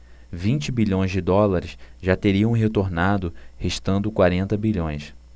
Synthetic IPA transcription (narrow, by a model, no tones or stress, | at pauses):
vĩnt͡ʃɪbiʎõj̃zd͡ʒɪd̪ɔlaɾɪsʒat̪eɾiɐ̃w̃ɦet̪oɾnad̪ʊheʃt̪ɐ̃nd̪ʊkwaɾẽnt̪ɐbiʎõj̃s